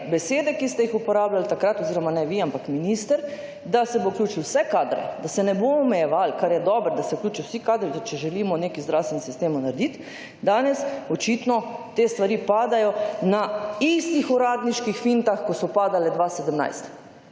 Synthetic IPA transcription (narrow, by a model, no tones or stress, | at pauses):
bɛseːd̪ɛkist̪ɛjixupɔɾaːblalt̪akɾat̪ɔziɾɔmanɛʋiampakminist̪əɾ | d̪asɛbowklʲuːt͡ʃilwsɛkaːd̪ɾɛ̰d̪asɛnɛboɔmɛjɛʋalkaɾjɛd̪ɔbəɾd̪asɛwkluːt͡ʃiwsikaːd̪ɾit̪ɔt͡ʃɛʒɛlimɔnekizd̪ɾawst̪ʋɛnsist̪emɔnaɾd̪it̪ | d̪aːnɛsɔt͡ʃit̪nɔt̪eːst̪ʋaɾipaːd̪ajɔnaist̪ixɔɾaːd̪niʃkixfint̪axkɔsɔpaːd̪alɛd̪ʋasɛd̪əmna̰jst̪